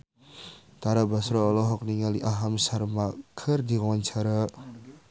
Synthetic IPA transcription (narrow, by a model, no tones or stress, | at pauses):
t̪aɾabasɾɔːlɔɦɔk̚niŋaliʔaɦamsarmakʰərd̪iwɔwɔnt͡ʃaɾa